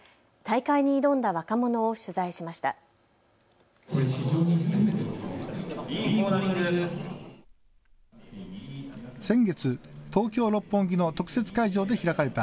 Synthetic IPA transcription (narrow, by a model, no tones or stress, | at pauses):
t̪aikaiɲ̟iːd̪õ̞nd̪aβakamo̞no̞ːɕɨzaiɕimaɕi̥t̪a̰ | çiʑoːɲʲiset̪ | sẽ̞ŋɡe̞t͡sɨt̪o̞ːkʲo̞ːɾo̞pːõ̞ŋɡʲino̞t̪o̞kɯ̟se̞t͡sɨ̥kaiʑo̞ːd̪e̞çiɾakaɾe̞t̪a